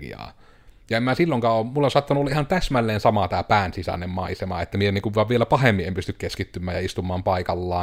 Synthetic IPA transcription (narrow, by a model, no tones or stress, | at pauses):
ḭɑ̰ː | jɑemæsilːoŋkɑːoːmmulːesɑt̪ːɑnuoːɑʔihɑnt̪æsmælːeːnsɑmɑt̪æːpæːnsisæ̰nːemmɑisemɑ̰ːet̪ːæmieenːiŋkuʋʋɑʋʋielæpɑhemːiʔempyst̪ykkeskit̪ːymːˑæːjjɑist̪umːˑɑːmpɑikɑlːɑː